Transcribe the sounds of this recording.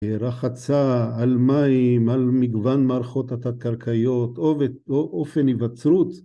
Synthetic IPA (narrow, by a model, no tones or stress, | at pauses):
ɾaχat͡saːlmaimalmiɡvanmaɾχo̞t̪at̪akaɾkʰajot̪oveoʔofenivat͡sɾut͡s